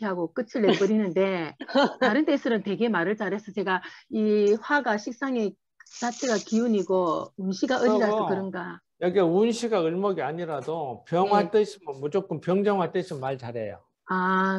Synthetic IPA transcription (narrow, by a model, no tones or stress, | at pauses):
aɡok͈ɯt͡ɕʰɯɭːepɯɾinɯnde̞taɾɯnt͈e̞sʰɯɾʌnte̞ɡe̞maɾɯɭt͡ɕ͈aɾɦe̞sʰʌt͡ɕe̞ɡaiɸwaɡaɕʰik̚s͈aŋe̞ | s͈ʰat͡ɕʰeɡakiuɲiɡounɕʰiɡaʔɯasʌkɯɾɯnɡa | jʌɡeunɕʰiɡaɯɭmʌɡiaɲiɾadopjʌŋɦwat͈ɯɕʰimɯnmut͡ɕok͈ɯmpjʌŋd͡ʑʌŋwat͈ɯɕʰimːaɭt͡ɕaɾejo̰ | a